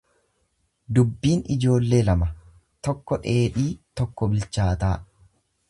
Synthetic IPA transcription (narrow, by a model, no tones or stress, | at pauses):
d̪ʊbːiːnɪd͡ʒo̞ːlːe̞ːlɐmɐ | t̪ɔkːɔᶑe̞ːᶑiːt̪ɔkːɔbɪlt͡ʃaːt̪aː